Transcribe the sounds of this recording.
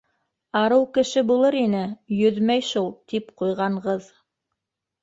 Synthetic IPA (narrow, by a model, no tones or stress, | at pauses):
ɑɾɤwkɘ̆ʃɘbulˠɤɾinɘjɵðmæjʃulˠt̪ipqujʁɑɴʁɤð